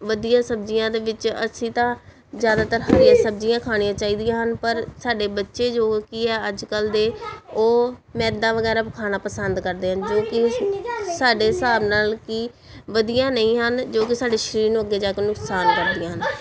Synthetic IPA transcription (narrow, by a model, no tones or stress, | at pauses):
ʋəd̪ijãːsəbd͡ʒɪjãːd̪eːʋɪt͡ʃə̰sĩːt̪ãː | zjaːd̪aːt̪əɾɦəɾɪjãːsəb̚d͡ʒɪjãːkʰaːɽ̃ijãːt͡ʃaːiːd̪ɪjãːɦənpəɾsaːɖeːbətːʃeːd͡ʒoːkiɛːəd͡ʒkəld̪eːoːmɛ̃ːd̪ãːʋəɡɛːɾaːpkʰaːñaːpəsənd̪kəɾd̪eːɦənd͡ʒoːkɪ | saːɖeːsaːbnaːlkiː | ʋəd̪ɪjãːnəĩːɦənd͡ʒoːk̬ɪsaːɖeːʃəɾiːɾnũːəɡːeːd͡ʒaːkenʊksaːnkəɾd̪ɪjãːɦən